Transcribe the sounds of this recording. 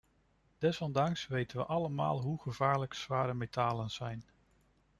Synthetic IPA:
d̥ɛsɔndɑŋksʋejtənʋəʔɑləma̰ːlˠɦuχəvaːɹləksʋaːɾəmetaːlənz̥ɛjn

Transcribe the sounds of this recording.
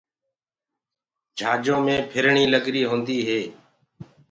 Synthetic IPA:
d͡ʒʱaːd͡ʒõːmẽːpʰɪɾɳiːləɡɾiːɦõːnd̪iːɦeː

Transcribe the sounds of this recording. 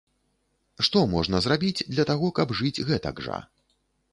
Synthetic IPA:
ʂt̪ɔmɔʐnɐzrabʲid͡zʲd̪lʲɐt̪aɣɔkɐbʐɨd͡zʲɣɛt̪ɐ̰ɡʐa̰

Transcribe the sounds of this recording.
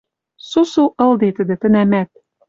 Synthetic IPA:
susuʔɤ̆ld̪et̪ɘ̆d̪ɘ̆t̪ɘ̆næmæt̪̚

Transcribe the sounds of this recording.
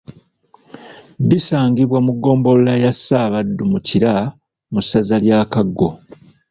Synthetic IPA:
disaːŋɡiβwamuɡːo̞ːmbo̞lulajasːaːβadːumuciɾa | musːazaljaːkaɡːo̞

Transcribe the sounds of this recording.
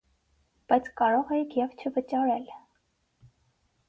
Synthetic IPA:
b̥ɑjt͡sʰkɑɾɔʁɛjikʰjɛvt͡ʃʰəvət͡ʃɑɾɛl

